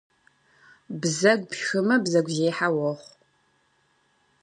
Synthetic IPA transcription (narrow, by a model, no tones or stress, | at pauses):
bzɐɡʷpxɨmɐbzɐɡʷʒeːħawɔχʷ